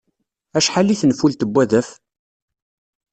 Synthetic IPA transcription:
æʃħalːiθnfult̪əbːæðæf

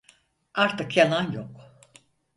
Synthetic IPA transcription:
aɾt̪ɯkʰjananjok

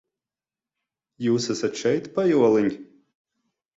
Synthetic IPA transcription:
juːsasat̪ʃɛjt̪pajuɔlˠɨnʲ

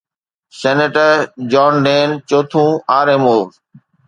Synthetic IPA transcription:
seːneːʈəɾd͡ʒɔːnɖeːnt͡ʃoːt̪ʰũːaːɾeːmoː

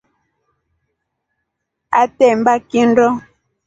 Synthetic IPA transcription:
atɛm̩bakindɔ

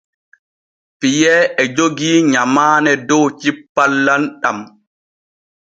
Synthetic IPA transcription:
pijɛːɛd͡ʒoɡiːɲamaːnɛdɔwt͡ʃipːalːanɗam

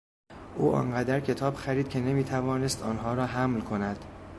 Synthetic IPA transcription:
ʔuːʔɒ̰ːŋɢæd̪æɾcʰe̞t̪ʰɒːb̥xæɾiːd̪̚cʰe̞ne̞miːt̪ʰævɒːne̞st̪ɒːnɦɒːɾɒːɦæmlkʰo̞næd̪̥

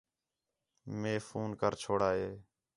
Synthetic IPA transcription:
meːfuːnkəɾt͡ʃʰoːɽaːɦeː

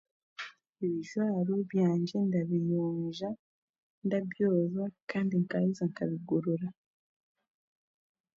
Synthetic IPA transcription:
iβiʒwaːɾuβjaːɲɟe̞ndaβijoːɲʒa | ndabjoːzakaːndiŋkaizaŋkaβiɡuɾuɾa

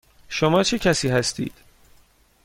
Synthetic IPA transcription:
ʃomɒːt͡ʃʰe̞cʰæsiːɦæst̪ḭːd̪̥

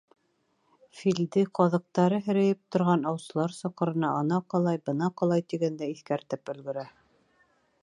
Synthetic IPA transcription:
fild̪ɘqɑðɤ̆q̚t̪ɑɾɤɦɘ̆ɾæ̆jɘp̚t̪ŏɾʁɑnɑwsɤ̆lˠɑɾsɑqɤ̆ɾɤ̆nɑʔɑnɑqɑlˠɑjbɤnɑqɑlˠɑjt̪iɡænd̪æiθkæɾt̪ɘpɵ̆lɡɵ̆ɾæ

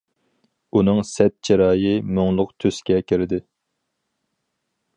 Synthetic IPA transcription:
unɨŋsɛt̪̚t͡ʃʰeɾɑːjɨmoŋlˠʊqt̪ʰøskʲɛkʲʰeɾɪd̪ɪ

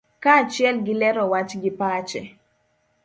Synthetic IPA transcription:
kaːt͡ʃɪɛlɡɪlɛɾɔwat͡ʃɡɪpat͡ʃɛ̰

